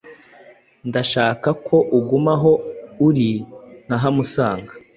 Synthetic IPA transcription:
ndaʃaːkakʰo̞ʔuɡumaɦo̞uɾin̥aɦamusaːŋɡa

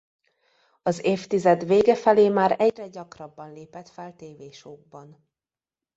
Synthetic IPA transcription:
ɒzeːft̪izɛd̪veːɡɛfɛleːmaːɾɛɟrɛɟɒkrɒbːɒnleːpɛt̪fɛlt̪eːveːʃoːɡ̚bɒn

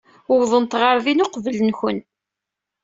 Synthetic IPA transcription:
ʊwðˤənt̪ʁəɾˤðinʊqvələnçən

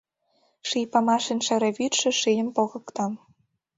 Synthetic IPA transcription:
ʃijpɑmɑʃenʃɘ̆ɾĕβyt̪ʃɘ̆ʃyjə̆mpoɣɤ̆kt̪ɑm

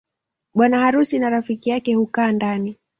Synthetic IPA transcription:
ɓwanahaɾusinaɾafikijakɛhukaːndani

